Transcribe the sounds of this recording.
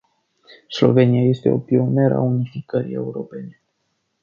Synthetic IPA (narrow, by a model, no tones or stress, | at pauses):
slo̞̰ve̞niaje̞st̪e̞o̰pio̞me̞ɾəa̰unifikəɾḭe̞uɾo̞pe̞ne